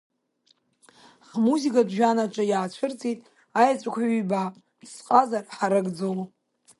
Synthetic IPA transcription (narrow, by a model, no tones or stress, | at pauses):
χmuzikʼadʒᶣanaʈ͡ʂʷʼajaːt͡ɕʷʰɨrt͡sʼitʼ | ajat͡sʷʼakʷʰybapʼ | sqʼazarħaɾɨɡʼd͡zow